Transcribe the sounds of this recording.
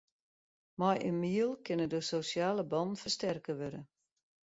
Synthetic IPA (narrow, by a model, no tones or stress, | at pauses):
majʔənmiəlˠkɪnədososjaːləbɔnfərstɛrkəʋøɾə